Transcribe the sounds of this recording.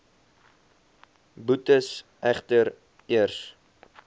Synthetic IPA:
butəsʔæχtəɾ | iərs

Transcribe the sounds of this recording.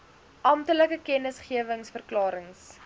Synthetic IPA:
ʔɐmtələkəkɛnəsχiəvəŋsfərklɑːɾəŋs

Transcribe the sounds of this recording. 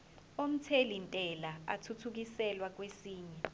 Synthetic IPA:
om̩tʰelintʼɛlaa̰tʰutʰuk̬isɛlwak̬wesiːɲɛ

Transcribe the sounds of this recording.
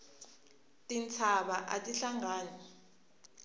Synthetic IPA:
tʼint͡sʰaɓaʔatʼiɬaŋaːnɔ

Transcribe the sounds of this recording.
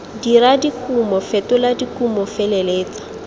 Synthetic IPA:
diɾadikʼumɔfetʊladikʼumɔfeleleːt͡sḁ

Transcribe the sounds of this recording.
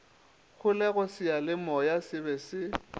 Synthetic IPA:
ɣʰʊlɛɣʊsɪalɪmɔjasɪbɛsɪ

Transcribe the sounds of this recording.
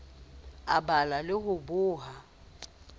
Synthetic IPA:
abalalɪhʊbʊːɦa

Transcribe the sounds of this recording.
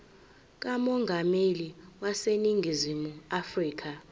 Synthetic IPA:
k̬ʼamɔŋɡʱameliwaseniŋɡʱizimuafriːk̬ʰʼa

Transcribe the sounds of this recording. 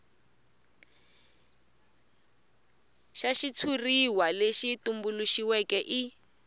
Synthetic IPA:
ʃaʃit͡sʰuriwaleʃitumbuluʃiwɛkɛʔi

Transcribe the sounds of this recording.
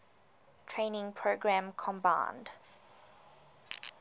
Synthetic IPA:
tʰɹẽːnɪ̃ŋpʰɹoɡɹæ̃mkʰɔ̃mbã̰ɪnd

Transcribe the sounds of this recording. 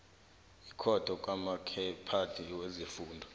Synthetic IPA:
ikʰɔd̥ʱɔkʼwamakʰɛpʰatʰiwezifuːndʱɔ

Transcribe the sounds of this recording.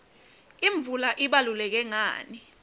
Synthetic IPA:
iɱb̪vulaʔiɓalulɛk̬ɛŋa̰ːni

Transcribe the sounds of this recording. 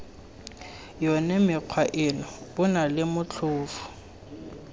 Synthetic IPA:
jɔnɛmɪq͡χʰwaʔɪnɔbʊnalɪmʊt͡ɬʰʊːfʊ̥

